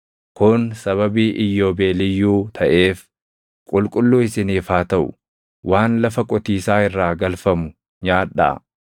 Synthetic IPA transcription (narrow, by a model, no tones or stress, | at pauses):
kʊnsɐβɐbiːʔɪjːo̞ːbeːlɪjːuːt̪ʰɐʔe̞ːf | kʼʊlkʼʊlːuːɪsɪniːfaːt̪ɐʔʊ̰ | wʔaːnlɐfɐkʼɔt̪iːsaːɪrːaːɡɐlfɐmʊ | ɲaːᶑːa̰